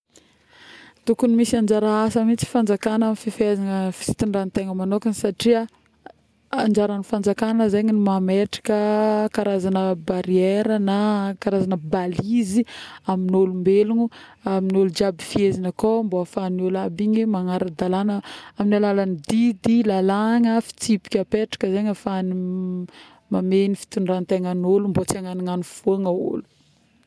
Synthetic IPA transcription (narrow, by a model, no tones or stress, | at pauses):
t̪ukunimisiand͡ʒaɾaasəmit͡si̥fand͡zakanamififezanəfi̥t͡si̥t̪iɳɖ͡ʐant̪eŋəmanokanisaʈ͡ʂiə | and͡ʒaɾanifand͡zakanəzeɲinimameʈ͡ʂḁkəkaɾazanəbaɾieɾənakaɾazanəbaliziaminolumbeluɲuaminolud͡ʒabifiezinəkomboafanolabiɲimaŋaɾad̪alanəaminalalanid̪id̪ilalaŋəfi̥t͡sipi̥kʲapeʈ͡ʂḁkəzeɲafani | mamenifi̥t̪uɳɖ͡ʐant̪eŋanolumbot͡seŋaniŋanifoŋəṵlu̥